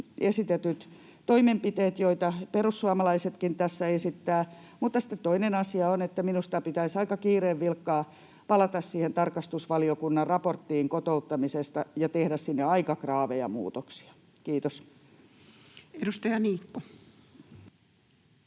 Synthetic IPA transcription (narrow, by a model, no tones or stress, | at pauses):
esit̪et̪yt̪ | t̪oimempit̪eːt̪joit̪ɑperusːuɑmɑlɑiset̪kint̪æsːæesit̪ːæː | muːt̪ːɑsĭ̥t̪ːet̪t̪oinenɑsiɑonet̪ːæminust̪ɑpit̪æisɑikɑkiːreːʋʋilkːɑː | pɑlɑt̪ɑssiːhent̪ɑrkɑst̪usʋɑliokunːɑrrɑport̪ːiːŋkot̪out̪ːɑmisest̪ɑjɑt̪ehɾæssinːeɑikɑkrɑːʋejɑ̰mṵːt̪oksi̥ɑ̥ | kiːt̪os | edust̪ɑjɑniːkːo